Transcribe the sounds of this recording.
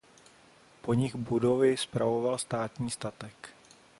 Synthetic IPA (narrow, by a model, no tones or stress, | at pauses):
po̞ɲɪɣbudovɪspɾavo̞valst̪aːt̪ɲiːst̪at̪ɛk